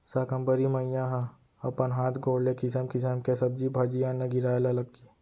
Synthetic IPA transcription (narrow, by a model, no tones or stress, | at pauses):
sakə̃mbəɾimɐijãɦã | ɐpənɦaːt̪ʰɡoːɽlekɪs̬əmkɪsəmkesɐb̚d͡ʒibʱaːd͡ʒijãnːɐɡɪɾaːelalɐɡ̚t̪i